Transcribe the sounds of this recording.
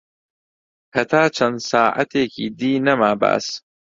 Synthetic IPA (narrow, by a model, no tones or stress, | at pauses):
hɐt̪ʰaːt͡ʃʰɐnsaːʔɐ̰t̪ʰeːkʰiːd̪iːnɐmaːba̰ːs